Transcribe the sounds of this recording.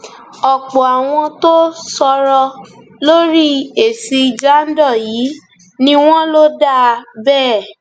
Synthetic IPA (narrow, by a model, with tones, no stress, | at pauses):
ɔ˨k͡pɔ˨a˨w̃ɔ̃˧to˦sɔ˧ɾɔ˧ | lo˦ɾi˦e˨si˧d͡ʒa˦n̩˦dɔ˦˨jiː˨˦ | nĩ˧w̃ɔ̃˦lo˦da˦˨bɛː˦˨